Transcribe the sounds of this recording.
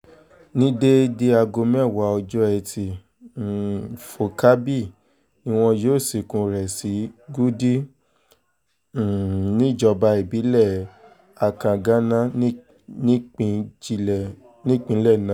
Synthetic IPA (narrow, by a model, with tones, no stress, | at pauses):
nĩ˦de˦de˧a˧ɡo˧mɛ̃˦˨wa˨˦ɔ˧d͡ʒɔ˦ɛ˧tʰi˨ | fo˨ka˦bi˦˨ | nĩ˦w̃ɔ̃˧jo˦˨si˨kũ˧ɾɛ˨si˨˦ɡu˦di˦˨ | nĩ˦˨d͡ʒɔ˧ba˧i˨bi˨˦lɛ˦˨ | a˨kã˨ɡã˦nã˦ | n˦˧˦ | nĩ˦k͡pĩ˧˦lɛ˦˨nã˨˦